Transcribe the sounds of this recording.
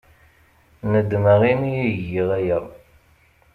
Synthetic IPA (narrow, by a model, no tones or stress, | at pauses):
nəd̪ːməʁimijiʝiʁæjæ